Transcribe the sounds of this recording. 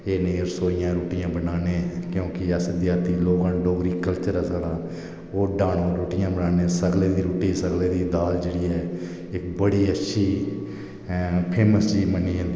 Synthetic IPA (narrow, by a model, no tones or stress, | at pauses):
eːnẽːɾsoːɪjãːɾuːʈɪjãːbənaːneːkjõːkɪəsd̪ɪjaːɾt̪iːloːɡãːɖoːɡɾiːkəlt͡ʃəɾɛːsaːɽãː | oːɖaːɽoːɾoːʈɪjãːbənaːneːsəɡleːd̪iːɾuːʈiːsəɡleːd̪iːd̪aːld͡ʒeːɽiːɛː | ɪk̚bəɽiːətːʃʰiː | pʰeːməst͡ʃiːmənːiːɦãnd̪i